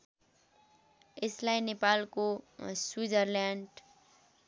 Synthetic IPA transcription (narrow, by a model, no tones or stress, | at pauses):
ɪslainepaːlkoswid͡ʒəɾlaɳɖ